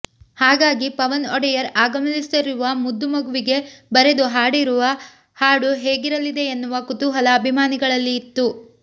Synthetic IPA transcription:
haːɡaːɡipɐʋɐnɔɽɛjɐɾaːɡɐmɐlist̪ɐɾuʋɐmud̪ːumɐɡuʋiɡe̞bɐɾe̞d̪uɦaːɽiɾuʋɐ | haːɽuɦeːɡiɾɐlid̪e̞ːnːuʋɐkut̪uɦɐlɐːbʱimaːniɡɐɭɐlːiːt̪ːu

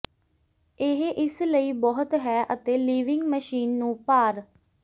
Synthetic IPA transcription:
ɪɦʔɪsləiːbɔɦət̪ɦɛːʔət̪eːliːʋɪŋɡməʃiːnːũːpaːɾ

